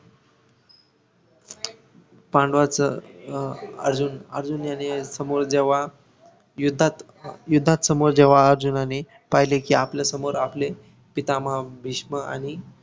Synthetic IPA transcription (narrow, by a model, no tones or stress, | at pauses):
pãɳɖʋat͡sə | ə̰ɾd͡ʑunəɾd͡zunjanesəmoɾd͡ʑeʋa | jud̪ʱːat̪ | jud̪ʱːat̪səmoɾd͡ʑeʋaəɾd͡ʑunane | paɦilekiːapljasəmoɾaple | pit̪amabʱiɕməa̰ñi